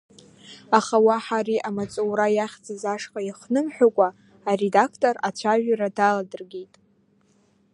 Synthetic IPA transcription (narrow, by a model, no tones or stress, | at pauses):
aχawaħaɾiʔamat͡sʼowɾajaχʲd͡zazaʂqʼaiχnɨmħʷᶣakʷʼaː | re̞dakʰtʼorat͡ɕʷʰaʒᶣaradaladɨrɡʲejtʼ